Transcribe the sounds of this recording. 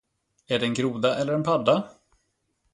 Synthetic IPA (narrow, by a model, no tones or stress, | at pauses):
æɖɛnɡɾuːd̪aʔɛlːəɾɛnpʰad̪ːa